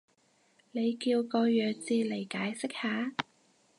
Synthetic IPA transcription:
ne˨˧jkiː˧wkɔː˧jœː˨t͡siː˧le˨˩jkaː˨˥jsɪ˥k̚haː˨˧

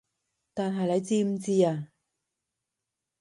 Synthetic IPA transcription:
t̪aː˨˩nɦɐ˨jlɐ˨˧jt͡siː˥m̩˨˧t͡siː˥aː˧

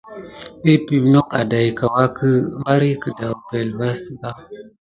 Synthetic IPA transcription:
pe˦pi˨bno˦ka˨da˨jka˨wa˦kə˦ma˦ɾi˦kə˨da˨wpe˨lba˦si˦ba˦

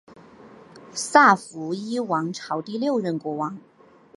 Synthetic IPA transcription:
sa˥˩fu˧˥i˥wɑ˧˥ŋʈ͡ʂʰɑ˧˥ʊt̪i˥˧ljo˥˧ʊɥə˥˩nkwɔ˧˥wɑ˧˥ŋ

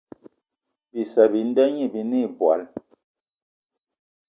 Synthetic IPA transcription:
bi˨sɛ˨bi˨n̩˦dɛ˦ɲi˦˨bi˨ni˦˨bwa̰˨˦l

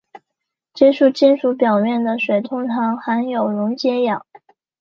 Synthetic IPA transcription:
t͡ɕɛ˥˧ʂu˥˧t͡ɕi˥˩nʂu˧˥pjɑ˨˩ʊmjɛ˥˩nd̪ə˩ʂwe˨˩ɪt̪ʰʊ˥ŋʈ͡ʂʰɑ˧˥ŋxa˧˥njo˨˩ʊɻʊ˧˥ŋt͡ɕjɛ˧˥jɑ˨˩˦ŋ

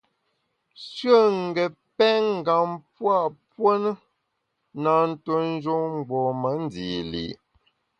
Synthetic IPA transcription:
sɥə˦˨ŋ̩˨ɡə˨ | pɛ˦ŋ̩˦˨ɡa˨mpwa˦˨ʔpwə˦nə˦ | na˨n̩˦to˦n̩˦d͡ʒo˦ŋŋ͡m̩˨ɡ͡bɔ˨mə˨˦n˦di˨lḭ˨

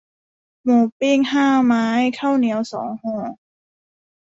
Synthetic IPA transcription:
moː˨˩pi˥˩ŋhaː˥˩maː˦˥jkʰa˥˩wni˧˦əwsɔ̰ː˩˦ŋhɔː˥˩

